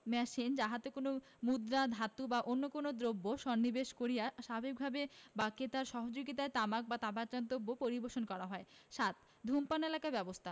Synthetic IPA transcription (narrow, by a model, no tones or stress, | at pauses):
mɛʃind͡ʑaɦat̪ekono | mud̪ɾad̪ʱat̪ubaʔonːokonod̪ɾobːoʃɔnːibeʃkoɾijaʃabʱek̚bʱabebaket̪aɾʃɔɦod͡ʑoɡit̪aet̪amak̚bat̪apat͡ɕant̪obːopoɾiboɾʃonkɔɾaɦɔeʃat̪ | d̪ʱumpanelakabɛbost̪ʰa